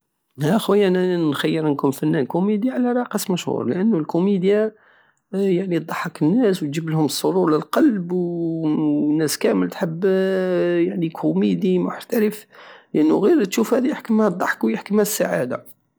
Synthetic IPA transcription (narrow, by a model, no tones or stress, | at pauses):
hæxwæjːæʔænnænxæjːəɾnkunfænːænkumid̪jaʕlæɾˤɑqəsmæʃhṵɾˤləʔənːulkumid̪ja | jaʕnid̪ˤɑħːɑkənːæswt̪d͡ʒəbəlhʊməsˤːoɾˤuɾləlqɑlbw | nːæskæməlt̪ħəbː | jaʕnikʰumid̪imʊ̰ħt̪æɾəfləʔənːuɣiɾt̪ʃufhæd̪ijəħkəmhæd̪ˤːɑħkwjəħkəmhæsːaʕa̰d̪a̰